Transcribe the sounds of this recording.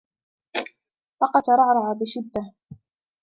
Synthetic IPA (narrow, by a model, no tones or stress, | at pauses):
fɑqɑd̪ɑɾˤɑʕɾˤɑʕabɪʃɪd̪ːa